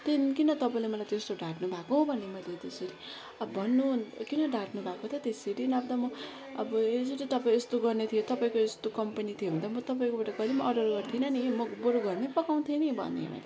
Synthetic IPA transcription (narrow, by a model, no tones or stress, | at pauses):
t̪enkinʌt̪ʌpaĩlemʌlajt̪est̪oɖaʈnubʱakõbʱʌnemʌjlet̪eseɾi | ʌbʱʌnːukinʌɖʱaʈnubʱakot̪ʰʌt̪eseɾinab̚d̪ʌmʌː | bʌed͡zʌɾit̪ʌpaĩest̪oɡʌrnet̪ʰijot̪ʌpaĩkoest̪okʌmpʌnit̪ʰijobʱʌnt̪amʌt̪ʌpaĩkobaʈaɡʌlimʌʔʌɖʌrɡʌrt̪ʰinʌnimʌboɾoɡʌrnepʌkaw̃t̪ʰenibʱʌ̰nːḛmʌ̰lḛ